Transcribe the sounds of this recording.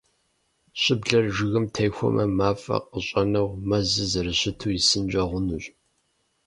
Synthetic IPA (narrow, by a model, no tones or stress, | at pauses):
ɕʼɪbɮɐrʒɪɣɨmtʰejxʷɔ̰mʔɐmaːfɐ̰qəɕʼɐnɐwmɐzɨzɐɾɨɕɪtʰuːjɪsɨnd͡ʒʼɐʁʷʊnuːɕʼ